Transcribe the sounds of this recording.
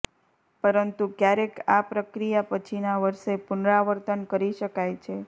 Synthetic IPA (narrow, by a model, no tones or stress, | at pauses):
pəɾənt̪ukjaɾekapɾəkɾijapət͡ʃʰinaʋəɾʃepʊnɾaʋəɾt̪ənkəɾiʃəkajt͡ʃʰe